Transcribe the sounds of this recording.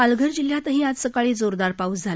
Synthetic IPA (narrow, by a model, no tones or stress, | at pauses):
alɡʱəɾd͡ʑiljãt̪əɦĩad͡z̪səkaɭiːd͡zoɾd̪aɾpaut͡sd͡zʱal